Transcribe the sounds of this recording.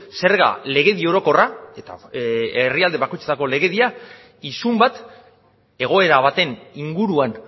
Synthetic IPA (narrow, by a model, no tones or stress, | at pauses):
se̞ɾɣa̰le̞ɣ̞e̞ðio̞ɾo̞ko̞rae̞t̪a̰eriald̪e̞βakojt͡set̪ako̞le̞ɣe̞ðia | isumbat̪ | e̞ɣ̞o̞e̞ɾaβ̞at̪e̞niŋɡuɾuan